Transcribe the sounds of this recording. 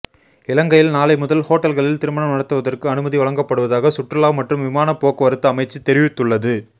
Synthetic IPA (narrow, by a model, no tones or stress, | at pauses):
ɪlɐŋɡɐjɪlnaːlɐɪmʊðɐlhoːʈːɐlɣɐɭɪlt̪ɪɾɯmɐɳɐmnɐɽɐt̪ːɯʋɐðɐrkɯɐnɯmɐðiʋɐɭɐŋɡɐpːɐɽɯʋɐðaːɣɐsʊʈrɐlaːʋmɐʈrɯmʋɪmaːnɐpːoːkːɐʋɐɾɯt̪ːɐːmɐɪt͡ʃːit̪ɛɾɪʋɪt̪ːɯɭːɐðɯ